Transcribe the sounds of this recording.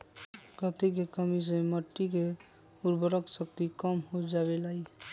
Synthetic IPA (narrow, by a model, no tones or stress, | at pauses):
kət̪ik̬ekəmis̬ẽməʈːik̬e | uɾbəɾəksək̚t̪ikɔmɦod͡ʒaβelai